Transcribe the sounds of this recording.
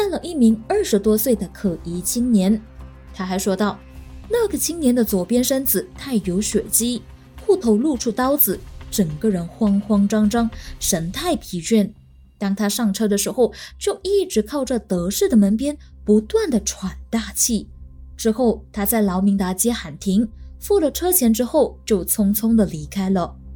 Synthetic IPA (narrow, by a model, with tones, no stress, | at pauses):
t̪a˥˩nlə˩ʔi˥˩mi˧˥ŋə˞˥˩ʂɻ̩˧˥t̪wɔ˥swe˥˩ɪd̪ə˩kʰɤ˨˩i˧˥t͡ɕʰi˥ŋnjɛ˧˥n | t̪ʰa˥xa˧˥ɪʂwɔ˥t̪ɑ˥˩ʊna˥˩ɡə˩t͡ɕʰi˥ŋnjɛ˧˥nd̪ə˨t͡swɔ˨˩pjɛ˥nʂə˥nd͡zɹ̩˨˩t̪ʰa˥˩ɪjo˧˥ʊɕɥɛ˨˩t͡ɕi˥ | xu˥˩t̪ʰo˧˥ʊlu˥˧ʈ͡ʂʰu˥˩t̪ɑ˥ʊd͡zɹ̩˨˩ʈ͡ʂə˨˩ŋkə˧ɻə˧˥nxwɑ˥ŋxwɑ˥ŋʈ͡ʂɑ˥ŋʈ͡ʂɑ˥ŋʂə˧˥nt̪ʰa˥˩ɪpʰi˧˥t͡ɕɥɛ˥˩n | t̪ɑ˥ŋt̪ʰa˥ʂɑ˥˩ŋʈ͡ʂʰɤ˥d̪ə˨ʂɻ̩˧˥xo˥˧ʊt͡ɕjo˥˧ʊi˥˩ʈ͡ʂɻ̩˧˥kʰɑ˥˧ʊʈ͡ʂə˨t̪ɤ˧˥ʂɻ̩˥˩d̪ə˩mə˧˥npjɛ˥n | pu˧˥t̪wa˥˩nd̪ə˩ʈ͡ʂʰwa˨˩nt̪a˥˧t͡ɕʰi˥˩ʈ͡ʂɻ̩˥xo˥˩ʊt̪ʰa˥t͡sa˥˩ɪlɑ˧˥ʊmi˧˥ŋt̪a˧˥t͡ɕjɛ˥xa˨˩nt̪ʰi˧˥ŋfu˥˩lə˨˩ʈ͡ʂʰɤ˥t͡ɕʰjɛ˧˥nʈ͡ʂɻ̩˥xo˥˧ʊt͡ɕjo˥˩ʊt͡sʰʊ˥ŋt͡sʰʊ˥ŋd̪ə˨li˧˥kʰa˥ɪlə˨